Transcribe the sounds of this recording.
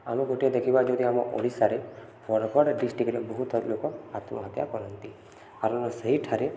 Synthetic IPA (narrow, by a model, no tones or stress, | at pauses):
amõɡoʈied̪ekʰibad͡ʒod̪iamɔʔo̰ɽisaɾe | pɔɾkɔɽɖisʈikɾebɔɦut̪lokɔat̪mɔɦət̪ja̰kɔɾɔnt̪i | kaɾə̃nɔsəɦiʈʰaɾe